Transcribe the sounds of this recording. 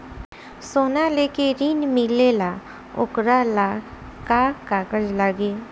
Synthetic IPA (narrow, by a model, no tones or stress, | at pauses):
soːnaleːkeɾiːnmilela | ʊ̰kɾala | kakaːkəd͡ʒlaɡe